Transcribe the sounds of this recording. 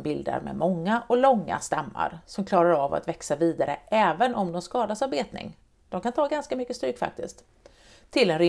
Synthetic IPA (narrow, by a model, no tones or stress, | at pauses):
bɪld̪a̰ɾmɛ̰mɔŋːaʔɔlɔŋːa̰st̪amːa̰ɾsɔmkʰlɑːɾaɾava̰t̪vɛksaviːd̪aɾə̰ʔɛːvənʔɔmd̪ɔmskɑːd̪asaɾbeːt̪nɪ̰ŋ | d̪̥ɔmkant̪ʰɑːɡanskamʏkːəst̪ɾʏːkːfa̰k̚t̪ɪsk̚t̪ | t̪ʰːɪlɛnɾɪ